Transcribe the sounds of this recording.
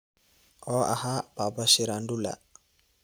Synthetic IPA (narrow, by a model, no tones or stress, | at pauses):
ɔa̰hababasiɾandula̰